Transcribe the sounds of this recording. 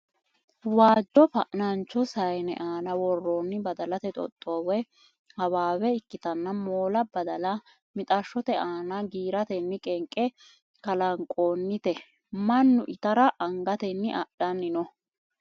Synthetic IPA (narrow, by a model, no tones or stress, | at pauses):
waːd͡ʒːɔfɐʔnɐnt͡ʃːɔsɐjnɛ̰ʔaːnɐwɔrːoːnːɪbɐd̪ɐlɐt̪ɛt̪ʼɔ̰t̪ʼːoːwɛ | hɐwaːwɛɪkːɪt̪ɐnːɐmoːlɐbɐd̪ɐlɐ | mɪt̪ʼɐʃːɔt̪ɛʔaːnɐɡiːɾɐt̪ɛnːɪkʼɛŋkʼːɛ | kɐlɐŋkʼoːnːɪt̪ɛ | mɐnːʊʔɪt̪ɐɾɐʔɐŋɡɐt̪ɛnːɪʔɐɗɐnːɪnɔ